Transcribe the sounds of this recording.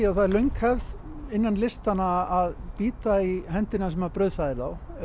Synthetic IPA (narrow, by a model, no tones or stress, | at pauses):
aðθaðlœɥŋkhɛvð | ɪnːanlɪst̪anaːðpiːt̪aiɦɛnt̪ɪnasɛmaɾpɾœːɥðfaðɪɾðaw